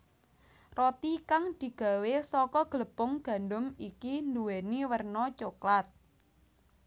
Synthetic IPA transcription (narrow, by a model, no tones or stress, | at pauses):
rɔt̪ikaŋd̪̥i̤ɡ̥a̤wesɔkɔɡ̥ləpʊŋɡ̥a̤ndʊmikind̪uweniwərnɔt͡ʃoklat̪̚